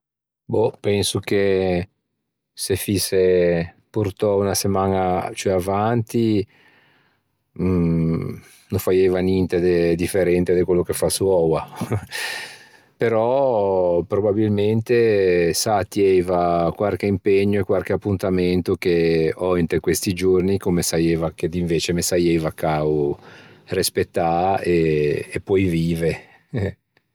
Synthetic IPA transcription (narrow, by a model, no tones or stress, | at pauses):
bɔpɛnsok̟e | sefisːe | puɾt̪ɔunasemaːnat͡ʃoɛavant̪i | nõfajevanjɛnt̪ed̪ed̪ifːeɾɛnt̪ed̪ekwelːokefasuɔwa | peɾɔ | pɾobabilment̪esat̪jɛjvakwalk̟eimpeɲːoekwalk̟eapːunt̪ament̪ok̟eɔint̪ekwest̪id͡ʒornikomesajevaked̪iɱveːt͡ʃemesajejvakːaw | rispet̪ːaeːpːɔjviːve | ɛ